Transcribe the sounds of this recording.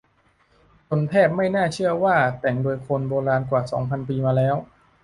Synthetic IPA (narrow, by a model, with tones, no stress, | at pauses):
t̪o˧nt̪ʰɛː˥˩p̚ma˥˩jnaː˥˩t͡ɕʰɯ˥˩ɐwaː˥˩t̪ɛ˨˩ŋdoː˧jkʰo˧nboː˧ɾaː˧nkwaː˨˩sɔ̰ː˩˦ŋpʰa˧npiː˧maː˧lɛː˦˥w